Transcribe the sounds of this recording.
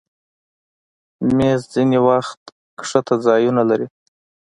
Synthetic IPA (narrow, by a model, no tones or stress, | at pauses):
mezd͡zinewaxt̪ | kʂət̪ad͡zɑjunalaɾi